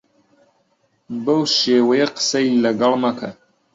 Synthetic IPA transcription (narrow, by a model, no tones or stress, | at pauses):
bɐwʃeːwɐjɐqə̥sɐilɐɡɐlˠmɐkʰɐ